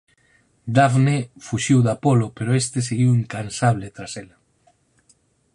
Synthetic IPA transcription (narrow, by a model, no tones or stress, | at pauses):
d̪avnefuʃiwðapolopeɾoest̪eseɣiwiŋkansaβ̞lɪt̪ɾasela